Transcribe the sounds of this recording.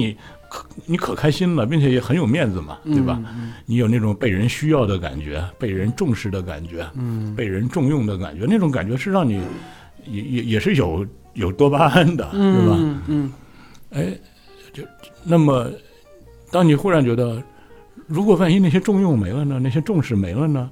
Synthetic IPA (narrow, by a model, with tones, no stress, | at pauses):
ni˧˩˦ | kʰni˧˥kʰɤ˨˩kʰa˥ɪɕi˥nlə˨p̬i˥˩ŋt͡ɕʰɛ˨˩jɛ˨˩xə˧˥njo˨˩ʊmjɛ˥˩nd͡zɹ̩˨˩mɐ̰˩t̪we˥˩bɐ̰˩ni˧˥jo˨˩ʊna˥˩ʈ͡ʂʊ˨˩ŋpe˥˩ɪɻə˧˥nɕy˥jɑ˥˩ʊd̪ə˩ka̰˨˩nt͡ɕɥɛ˧˥pe˥˩ɪɻə˧˥nʈ͡ʂʊ˥˧ŋʂɻ̩˧˩d̪ə˦ka̰˨˩nt͡ɕɥɛ˧˥pe˥˩ɪɻə˧˥nʈ͡ʂʊ˥˧ŋjʊ˥˩ŋd̪ə˩ka̰˨˩nt͡ɕɥɛ˧˥na˥˩ʈ͡ʂʊ˧˥ŋk̬a˨˩nt͡ɕɥɛ˧˥ʂɻ̩˥˧ɻɑ˥˩ŋni˨˩˦ | jɛ˧˩jɛ˧˩jɛ˨˩ʂɻ̩˥˩jo˨˩ʊ | jo˨˩ʊt̪wɔ˥pa˥a˥nd̪ə̰˨t̪we˥˩bɐ | e˥˩ɪ | t͡ɕo˥˩ʊna˥˩mə˩ | t̪ɑ˥ŋni˨˩xu˥˩ɻa˧˥nt͡ɕɥɛ˧˥d̪ə˧ | ɻu˧˥kwɔ˨˩fa˥˩ni˥na˥˩ɕjɛ˥ʈ͡ʂʊ˥˧ŋjʊ˥˩ŋme˧˥ɪlə˧nə˧na˥˩ɪɕ̬jɛ˥ʈ͡ʂʊ˥˧ŋʂɻ̩˥˩me˧˥ɪlə˧nə˨